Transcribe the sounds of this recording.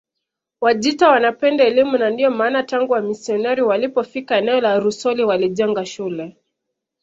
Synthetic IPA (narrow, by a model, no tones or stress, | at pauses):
waʄitawanapɛndaɛlimunandijɔmaːnataŋɡuamisiɔnɛɾiwalipɔfikaɛnɛɔlaɾusɔliwaliʄɛŋɡaʃulɛ